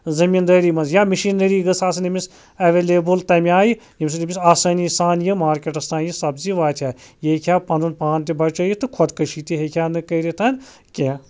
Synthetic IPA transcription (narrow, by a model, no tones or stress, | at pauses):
zɐmind̪ɐːɾiːmɐnzjaːmiʃiːnɐɾiːɡɐsaːsɐnimʲis | ɐʋeːleːbɨlt̪ɐmʲaːji | jimʲs̬ɨnʲimʲisaːsɐːnisaːnjɨmaːɾkʲeʈɐst̪aːnjisɐbziʋaːt̪ʰjaːjekʰʲaːpɐnd̪unpaːnt̪ibɐɾt͡ʃɐjit̪ɨkʰɔd̪kɐʃiːt̪iɦekʲʰjaːnɨkɐɾit̪ʰɐn | kʲẽː